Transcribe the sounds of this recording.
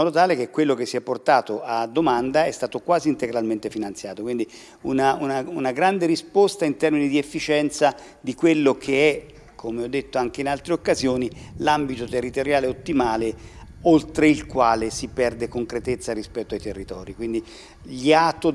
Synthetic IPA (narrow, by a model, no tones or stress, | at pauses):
mɔːd̪ot̪aːlekekːwelːok̟esːiɛpːort̪aːt̪oʔad̪ːomand̪aɛst̪aːt̪okwaːziːnt̪eɡɾalment̪efinant̪sjaːt̪okwind̪i | unaunaunaɡɾand̪eɾispost̪aint̪ɛrminid̪iefːit͡ʃɛnt̪sa | d̪ikwelːokʰeɛ | kʰːomeɔd̪ːet̪ːoaŋk̟einalt̪ɾeokːazjoːnilambit̪ot̪erːit̪oɾjaːleot̪ːimaːle | olt̪ɾeilkwaːlesipɛrd̪ekoŋkɾet̪et̪sːaɾispɛt̪ːoajt̪erːit̪ɔːɾikwind̪i | ʎiat̪o